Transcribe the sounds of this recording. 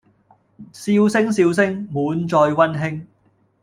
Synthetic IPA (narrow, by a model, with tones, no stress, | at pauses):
siː˧wsɪ˥ŋsiː˧ws̬ɪ˥ŋmuː˨˧nt͡ʃɔː˧jwɐ˥nɦɪ˥ŋ